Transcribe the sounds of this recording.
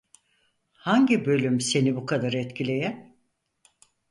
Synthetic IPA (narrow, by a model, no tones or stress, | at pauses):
haɲɟibø̞lʲymse̞nibukʰad̪aɾɛt̪cʰilʲe̞jæn